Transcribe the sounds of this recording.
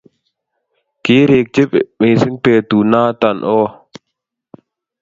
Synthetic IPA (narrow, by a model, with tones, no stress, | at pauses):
keː˦ɾeː˨k̚t͡ʃɪ˦pmeː˨sɪ˦npeː˨t̪u˨naː˦t̪a˨nʔɔː˦